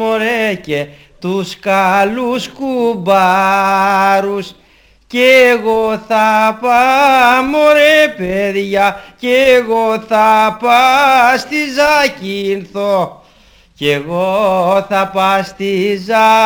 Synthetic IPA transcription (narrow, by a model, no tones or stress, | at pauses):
o̞ɾece | t̪uskɐluskubɐ | ɾus | ceɣo̞θɐpɐmoɾepeðʝɐceːɣo̞θɐpɐst̪izɐcinθo | ce̞ɣo̞θɐpɐst̪izɐ